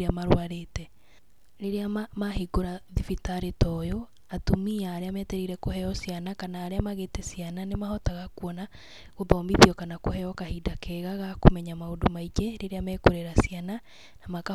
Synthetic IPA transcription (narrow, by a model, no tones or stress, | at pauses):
eamaɾwaɾetɛ | ɾeɾeamaɦiɡoɾaðifitaɾetɔjo | atumiaːɾeamɛtɛɾiɾɛkoɦɛɔsjanakanaːɾeamaɣetɛsijananemahɔtaɣakuɔna | ɣoðɔːmbiðjɔkanakoɦɛjɔkahidakʰɛɣaɣakomɛɲamaodomaid͡ʒɛɾeɾeamɛːkoɾeɾasjana | namaka